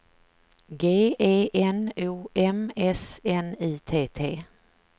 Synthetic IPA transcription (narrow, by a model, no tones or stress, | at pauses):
ɡeːeːʔɛnuːʔɛmɛsɛniːt̪ʰeːt̪ʰeː